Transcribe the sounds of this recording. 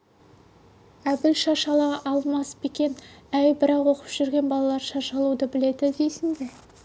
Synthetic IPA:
æbɪlʃɑʃɑlˠɑʔɑlˠmɑspekʲe̞næjbɪɾɑqwo̞qə̥pʒ̥ʏɾɡʲe̞nbɑlˠɑlˠɑɾʃɑʃɑlˠud̪əbɪle̞d̪ɪd̪ejsɪŋd̪e

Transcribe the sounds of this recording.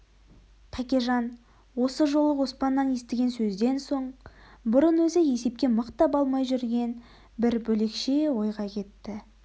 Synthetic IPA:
pʰækʲeʒɑn | wo̞səʒo̞lˠəwo̞spɑnːɑnje̞st̪ɪɡʲe̞nsɵzd̪e̞nso̞ɴbʊɾənwɵzɪje̞se̞p̚kʲe̞məqt̪ɑpɑlˠmɑjʒʏɾɡʲe̞n | bɪɾbɵle̞kʃe̞wo̞jʁɑkʲʰe̞t̪ːɪ

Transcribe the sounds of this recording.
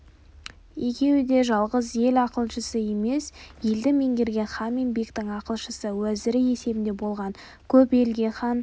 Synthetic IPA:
je̞kʲe̞wɪd̪e̞ʒɑlˠʁəzje̞lɑqəlˠʃəsəje̞me̞sje̞ld̪ɪme̞ŋɡʲe̞ɾɡʲe̞nχɑnme̞nbekt̪ɪŋɑqəlˠʃəsəwæzɪɾɪe̞se̞bɪnd̪e̞bo̞lˠʁɑŋ | kʲʰɵpe̞lɡʲe̞χɑn

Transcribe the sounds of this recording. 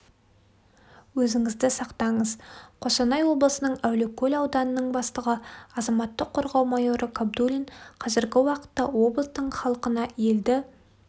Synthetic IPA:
wɵzɪŋɪzd̪ɪsɑqt̪ɑɴəzqʰo̞sɑnɑjwo̞blˠəsənəɴæwlɪkʲʰːɵlʲɑwd̪ɑnənəɴbɑst̪əʁəɑzɑmɑt̪ːəqʰːo̞ɾʁɑwmɑjo̞ɾəkʰob̚d̪ulʲiɴqʰɑzɪɾɡʲɪwɑqə̥t̪ːɑwo̞bləst̪əɴχɑlˠəqənɑjeld̪ɪ

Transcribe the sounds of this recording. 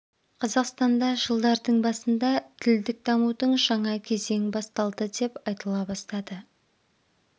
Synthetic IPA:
qʰɑzɑqst̪ɑnd̪ɑʒəlˠd̪ɑɾd̪əɴbɑsənd̪ɑt̪ʰɪld̪ɪk̚d̪ɑmud̪əɴʒɑɴɑkʲʰe̞ze̞ŋbɑst̪ɑlˠd̪əd̪e̞pɑjt̪əlˠɑbɑst̪ɑd̪ə

